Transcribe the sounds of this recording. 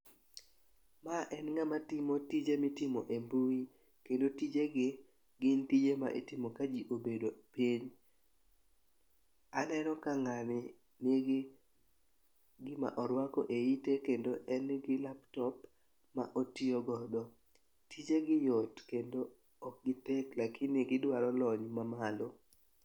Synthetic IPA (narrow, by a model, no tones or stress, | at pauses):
maʔɛnŋamatɪmotid͡ʒemɪtɪmɔʔembui | kendotid͡ʒeɡɪ | ɡɪntid͡ʒema̰ʔḛtɪmokad͡ʒiʔobedopiɲ | anɛnɔkaŋanɪ | neɡ | ɡɪma̰ʔɔɾwakɔ̰ʔeitekendoʔɛnɡɪlaptɔp | ma̰ʔotioɡɔdɔ | tid͡ʒeɡɪjɔtkendo | ɔk̚ɡɪtɛklakʰɪnɪɡɪdwalɔlɔɲmamalo